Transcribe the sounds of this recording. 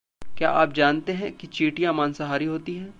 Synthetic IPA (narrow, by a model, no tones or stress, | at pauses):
kja̰ːʔaːpd͡ʒaːnt̪eɦɛ̃kit͡ʃiːʈijãmaːnsɐɦaːɾiɦoːt̪iɦɛ̃ː